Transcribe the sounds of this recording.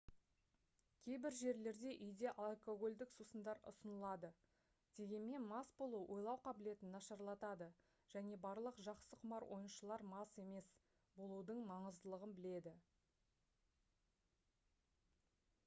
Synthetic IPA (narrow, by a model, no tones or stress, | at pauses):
kʲʰe̞jbɪɾʒe̞ɾle̞ɾd̪e̞ʔʏjd̪e̞ʔalˠko̞ɡo̞lʲd̪ɪksusənd̪ɑɾʊ̰sənəlˠɑd̪ə | d̪̥e̞ɡʲe̞nme̞nmɑsbo̞lˠuwʔo̞jlˠɑwqʰɑbɪle̞t̪ɪnːɑʃɑɾlˠɑt̪ɑd̪ə | ʒ̥æne̞bɑɾlˠəqʒɑqsəqʰʊmɑɾwʔo̞̰jənʃəlˠɑɾmɑse̞me̞s | bo̞lˠud̪əɴmɑɴəzd̪əlˠəʁənbɪle̞d̪ɪ